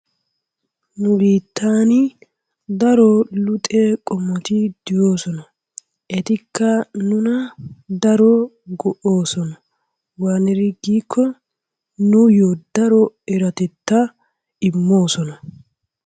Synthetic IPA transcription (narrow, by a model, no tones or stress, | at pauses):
nʊbiːt̪ːaːnɪ | d̪ɐɾɔlʊt̪ʼekʼɔmːɔt̪ɪd̪̥ɪjoːsɔnɐ | ʔɛt̪ɪkːɐnʊnɐd̪ɐɾɔ | ɡɔʔoːsɔnɐ | waːnɛɾɪɡiːkʰːɔ | nʊjod̪ɐɾɔɛɾɐt̪ɛt̪ːɐ | ɪmːo̞ːsɔnɐ